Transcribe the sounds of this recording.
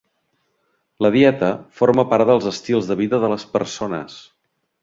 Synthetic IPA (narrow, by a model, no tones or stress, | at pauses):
ləðiɛt̪əfoɾməpaɾðəlˠzəst̪ilˠzðəβiðəðələspə̰ɾsonə̰s